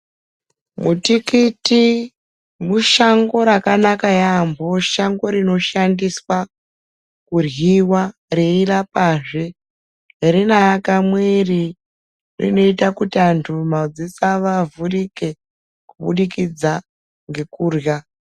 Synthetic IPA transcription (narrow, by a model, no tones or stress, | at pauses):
mutikiti | muʃaŋɡo̞ɾakanakajambo̞ʃaŋɡo̞ɾino̞ʃandiswa | kurjiwareirapaːʐe | rinajakamwe̞ri | rḭno̞itakutiantʰumaud͡zisaʋavurike̞ | kuɓṵɗikid͡za | ŋɡe̞kuːrja